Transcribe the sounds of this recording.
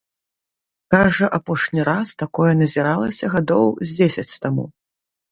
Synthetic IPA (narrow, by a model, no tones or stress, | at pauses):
kaʐɐʔapɔʂnʲiɾast̪akɔjɛnɐzʲiɾalˠɐsʲɐɣad̪ɔwzʲd͡zʲesʲɐt͡sʲt̪amṵ